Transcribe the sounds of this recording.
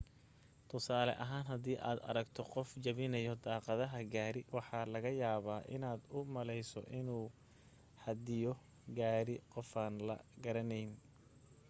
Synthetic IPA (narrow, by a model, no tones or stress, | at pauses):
t̪ʰʊsaːlɛ̰ʔɐɦaːnɦɐd̪iːʔa̰ːd̪ɐ̰ɾɐɡt̪ʰɔqɔft͡ʃɐβɪnɐjɔd̪ɑːqɑðɐɦɐɡaːɾɪwɑħɑːlɐɣɐjaːβaːʔɪ̰naːd̪ʊmɐlɛjsɔ̰ʔɪnuː | ħɐd̪ɪjɔ | ɡaːɾɪqɔfaːnlɐ̰ɡɐɾɐnɛjn